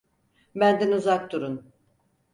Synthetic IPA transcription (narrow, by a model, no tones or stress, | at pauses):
bænd̪ænuzak̚t̪uɾun